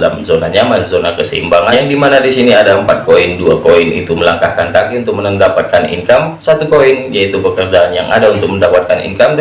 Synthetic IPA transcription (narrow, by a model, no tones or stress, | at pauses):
la̰mzonaɲamanzonakəsəḭmbaŋajaŋdimanadisiniadaəmpat̪̚koinduakoinḭt̪uməlaŋkahkant̪akiunt̪ʊk̚mənəndapat̪̚kanḭŋkamsat̪ukoinjait̪upəkərd͡ʒaːnja̰ŋʔa̰daunt̪ʊk̚məndawat̪̚kanḭŋkam